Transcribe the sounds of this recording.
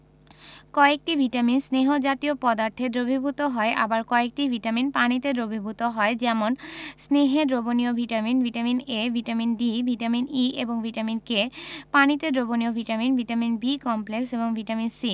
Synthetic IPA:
kɔek̚ʈibʱiʈaminsneɦod͡ʑat̪iopɔd̪aɾt̪ʰed̪ɾobʱibʱut̪oɦɔeʔa̰baɾkɔek̚ʈivʱiʈaminpanit̪ed̪ɾobʱibʱut̪oɦɔed͡ʑɛmonsneɦed̪ɾoboniobʱiʈaminvʱiʈaminevʱiʈaminbibʱiʈaminieboŋvʱiʈaminkepanit̪ed̪ɾoboniobʱiʈaminvʱiʈaminbikɔmplekseboŋvʱiʈaminsi

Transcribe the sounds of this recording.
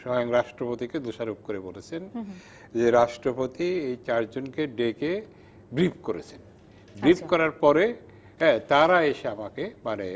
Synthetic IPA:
ʃɔjoŋɾaʃʈɾopot̪iked̪uʃaɾup̚koɾebolet͡ɕʰen | d͡ʑeɾaʃʈɾopot̪iejt͡ɕaɾd͡ʑonkeɖeke | bɾip̚koɾet͡ɕʰen | bɾipkɔɾaɾpɔɾe | ɛt̪aɾaeʃeamakemane

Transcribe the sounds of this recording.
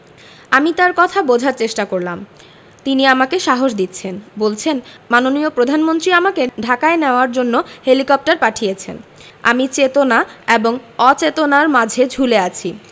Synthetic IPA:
amit̪aɾkɔt̪ʰabod͡ʑʱaɾt͡ɕeʃʈakoɾlam | t̪iniamakeʃaɦoʃd̪it̪ːt͡ɕʰenbolt͡ɕʰenmanoniopɾod̪ʱanmont̪ɾiamakeɖʱakaeneoaɾd͡ʑonːohelikɔp̚ʈaɾpaʈʰijet͡ɕʰḛn | a̰mit͡ɕet̪onaeboŋɔt͡ɕet̪onaɾmad͡ʑʱed͡ʑʱuleat͡ɕʰi

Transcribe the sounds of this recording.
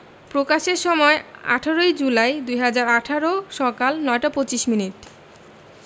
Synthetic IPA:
pɾokaʃeɾʃɔmɔea̰ʈʰaɾojd͡ʑulajd̪ujɦad͡ʑaɾaʈʰaɾoʃɔkalnɔeʈapot͡ɕiʃminiʈ

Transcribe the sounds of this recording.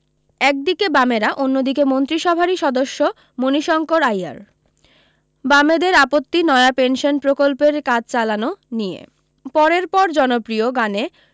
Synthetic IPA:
ɛk̚d̪ikebameɾaʔonːod̪ikemont̪ɾiʃɔbʱaɾiʃɔd̪oʃːo | moniʃɔŋkoɾaja̰ɾ | bamed̪eɾapot̪ːinɔeapenʃonpɾokolpeɾkad͡ʑt͡ɕalanonijḛ | pɔɾeɾpɔɾd͡ʑɔnopɾioɡane

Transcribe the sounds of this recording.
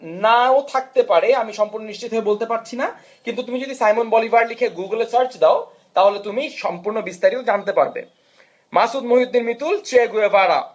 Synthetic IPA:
naot̪ʰak̚t̪epaɾeamiʃɔmpuɾnoniʃt͡ɕit̪ɦoebolt̪epaɾt͡ɕʰina | kint̪ut̪umid͡ʑod̪isajmonbɔlibʱaɾlikʰeɡuɡlesaɾt͡ɕd̪eo | t̪aɦolet̪umiʃɔmpuɾnobist̪aɾiod͡ʑant̪epa̰ɾbḛ | masud̪moɦid̪ːinmit̪ult͡ɕeɡuebaɽa̰

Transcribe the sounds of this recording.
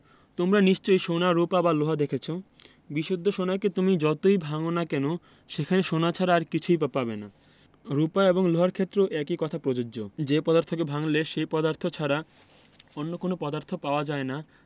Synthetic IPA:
t̪omɾaniʃt͡ɕojʃonaɾupabaloɦad̪ekʰet͡ɕʰo | biʃud̪ʱːoʃonaeket̪umid͡ʑɔt̪ojbʱaŋonakɛno | ʃekʰaneʃonat͡ɕʰaɾaːɾkit͡ɕʰujpapabena̰ | ɾupaeboŋloɦaɾkʰet̪ːɾoʔɛkikɔt̪ʰapɾod͡ʑod͡ʑod͡ʑepɔd̪aɾt̪ʰokebʱaŋleʃepɔd̪aɾt̪ʰot͡ɕʰaɾa | onːokonopɔd̪aɾt̪ʰopaoad͡ʑaena

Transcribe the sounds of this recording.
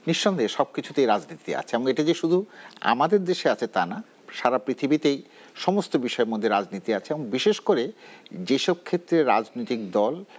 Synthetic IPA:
niʃːɔnd̪ʱeʃɔb̚kit͡ɕʰut̪ejɾad͡ʑnit̪ia̰t͡ɕʰeɛboŋeʈad͡ʑeʃud̪ʱua̰mad̪eɾd̪eʃeat͡ɕʰet̪ana | ʃaɾapɾit̪ʰibit̪ej | ʃɔmost̪obiʃɔemod̪ʱːeɾad͡ʑnit̪iat͡ɕʰeɛboŋbiʃeʃkoɾed͡ʑeʃɔb̚kʰet̪ːɾeɾa̰d͡ʑnojt̪ik̚d̪ɔl

